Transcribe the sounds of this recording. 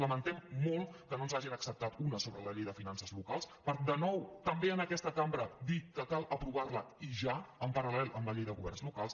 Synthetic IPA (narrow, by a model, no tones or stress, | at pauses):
ləmənt̪ɛmːɔlˠt̪kənonzaʒinəksəp̚t̪at̪unəsoβɾələʎɛjðəfinansəzlukalˠspəɾd̪ənɔwt̪əmbeənəkɛst̪əkambɾəd̪it̪̚kːəkalˠəpɾuβarləiʒaəmpəɾəlɛlʔəmləʎɛjðəɣuβɛ̰rnzlukalˠs